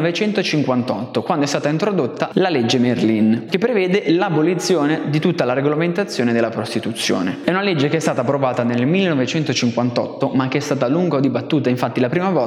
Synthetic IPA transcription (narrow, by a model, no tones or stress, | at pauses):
ɔvet͡ʃɛnt̪ot͡ʃiŋkwant̪ɔt̪ːokwand̪oɛst̪aːt̪aint̪ɾod̪ot̪ːalaled͡ʒːemerlink̟epːɾevɛːd̪elabolit̪sːjoːned̪it̪ut̪ːalaɾeɡolament̪at̪sːjoːned̪elːapɾost̪it̪ut̪sːjo̰ːneɛunaled͡ʒːekeɛst̪aːt̪apːɾovaːt̪anelmilːenɔvet͡ʃɛnt̪ot͡ʃiŋkwant̪ɔ̰t̪ːomak̟ːeɛst̪aːt̪aluŋɡaod̪ibat̪ːuːt̪aiɱfat̪ːilapɾiːmavɔ